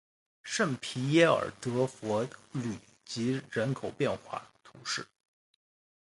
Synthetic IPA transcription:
ʂə˥˩npʰi˧˥jɛ˥ə̰˞˨˩t̪ɤ˧˥fwɔ˧˥ly˨˩ | t͡ɕi˧˥ɻə˧˥nkʰo˨˩ʊpjɛ˥˧nxwa̰˥˩t̪ʰʊ˧˥ŋʂɻ̩˥˩

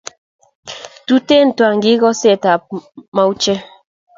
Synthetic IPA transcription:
tu˦te˦˨n̩˨twa˨ŋ̩˨ɡi˦ɡɔ˦se˦˨ta˨pma˦u˦t͡ʃe˦

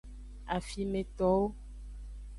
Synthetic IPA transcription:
a˨fi˨mẽ˨t̪ɔ˨wo˦

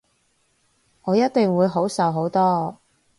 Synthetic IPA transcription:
ŋɔː˨˧jɐ˥t̚t̪ɪ˨ŋwuː˨˧jɦo˨˥wsɐ˨wɦo˨˥wt̪ɔː˥

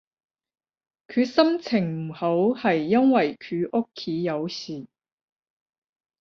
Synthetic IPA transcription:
kʰyː˧sɐ˥mt͡sʰɪ˨˩ŋm̩˨˩ho˨˥whɐ˨jːɐ˥nwɐ˨jkʰyː˨˧ʔʊ˥kʰːiː˨˥jɐ˨˧wsiː˨˩

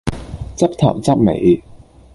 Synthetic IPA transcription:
t͡sɐ˥p̚t̪ʰɐ̰˨˩w̚t͡sɐ˥p̚mḛ˨˩j

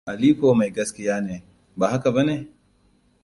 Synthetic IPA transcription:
ʔa˨liː˦koː˨ma˨jɡɐ˦skʲɪ˦jaː˦neː˨ | baː˨ha˦ka˨bɐ˦neː˨

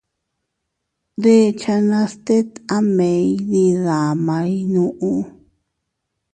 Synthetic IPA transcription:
d̪e˦t͡ʃa˧nã˧st̪e˦t̪a˦mẽ˨˧jði˧ða˨mã˧˦jnũ˧ʔũ˧

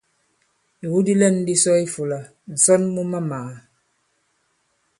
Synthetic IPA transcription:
i˨wu˦di˦lɛ˦˨n˦di˦sɔ˦i˦fu˨la˨ | n̩˨sɔ˦nmu˦ma˦ma˨

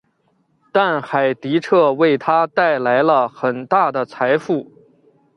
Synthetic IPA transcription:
t̪a˥˩nxa˨˩ɪt̪i˧˥ʈ͡ʂʰɤ˥˧we˥˩ɪt̪ʰa˥t̪a˥˩ɪla˧˥ɪlə˧xə˨˩nt̪a˥˩d̪ə˩t͡sʰa˧˥ɪfu˥˩

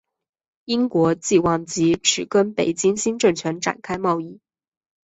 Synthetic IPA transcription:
i˥ŋkwɔ˧˥t͡ɕi˥˧wɑ˥˩ŋt͡ɕi˧˥ʈ͡ʂʰɻ̩˨˩kə˥npe˨˩ɪt͡ɕi˥ŋɕi˥nʈ͡ʂɤ˥˩ŋt͡ɕʰɥɛ˧˥nʈ͡ʂa̰˨˩nkʰa˥ɪmɑ˥˧ʊi˥˩

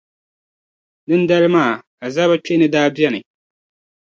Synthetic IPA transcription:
dɨ˦n˦da˦lɨ˦maː˦˨ | a˨za˦ba˦t͡ʃe˦nɨ˨daː˦bjɛ˦nɨ˨

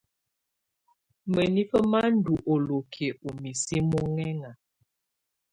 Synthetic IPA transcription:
mə˨ni˦fə˦ma˦n̩˦du˨ʔo˨lo˨kʰe˨u˨mi˨si˦mɔ˦ŋɛ˦ŋa˨

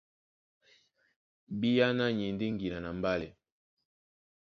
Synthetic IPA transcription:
bi˦ja˦na˦ɲi˨n˦di˦ŋ˨ɡi˨na˨na˨mba˦lɛ˨

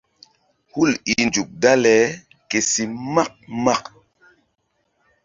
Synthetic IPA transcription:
hu˦˨li˨nd͡ʒu˨k̚da˦lɛ˨˦ | ke˨si˨ma˦k̚ma˦˨k

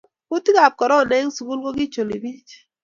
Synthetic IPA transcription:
ʊ˦ti˦ka˨p̚kɔ˨ɾɔ˦˨nɛ˦ŋ˦su˨ku˦lko˦ɡi˦t͡ʃo˨li˨bi˦t͡ʃ

